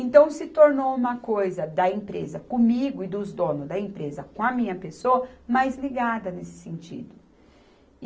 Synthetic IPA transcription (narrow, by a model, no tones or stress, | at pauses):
ẽnt̪ɐ̃w̃sɪt̪oɾnowũmɐkojzɐd̪ɐẽpɾḛzɐkõmiɡʊɪd̪ʊzd̪õnʊzd̪ɐẽpɾezɐkõɐmĩɲɐpesoɐmajzliɡad̪ɐnesɪ̥sẽnt͡ʃḭd̪ʊ